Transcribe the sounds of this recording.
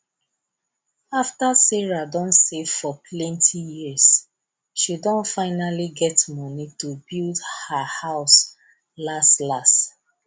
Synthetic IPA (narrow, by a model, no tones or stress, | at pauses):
aftasɛɹadɔ̃ntsev̥fɔpʰlɛ̃ntʰijis | ʃidɔ̃nfaɪnaliɡɛtmɔnitobildhahaʊs | lastlast